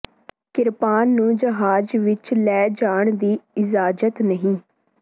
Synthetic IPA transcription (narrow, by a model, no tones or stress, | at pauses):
kɪɾpaːnːũːd͡ʒəɦaːd͡ʒʋɪt͡ʃlɛːd͡ʒaːɳd̪iːɪzaːd͡ʒət̪nəɦĩː